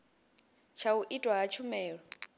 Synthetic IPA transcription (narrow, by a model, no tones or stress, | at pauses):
t͡ʃʰauʔitʼwaɦat͡ʃʰumɛːɺɔ